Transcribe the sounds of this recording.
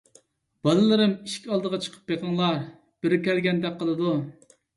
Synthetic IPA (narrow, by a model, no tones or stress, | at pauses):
b̥ɑlˠɨlˠɨɾɪmiʃkʲɑlˠd̪əʁɑt͡ʃʰə̥qʰə̥p̚ːjeqʰəŋlˠɑɾ | b̥ɪɾɪkʲɛlɡʲɛnd̪ɛk̚ʲqʰːəlˠɨd̪u